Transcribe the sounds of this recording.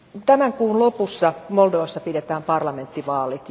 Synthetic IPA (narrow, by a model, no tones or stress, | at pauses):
t̪æmæŋkuːnlopusːɑmoldoʋɑsːɑpidet̪æːmpɑrlɑment̪ːiʋɑːlit̪